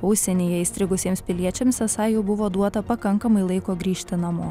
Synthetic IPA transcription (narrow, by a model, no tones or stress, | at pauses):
ʊsʲɛnʲeːjɛist̪ɾʲɪɡʊsʲiɛmspʲɪlʲiɛt͡ʃʲɛmsʲɛsɑɪjɛʊbʊʋoːd̪uɔt̪ɐpɐkɐŋkɐmɐɪlˠɐɪkoːɡɾʲiːʃʲt̪ʲɪnɐmoː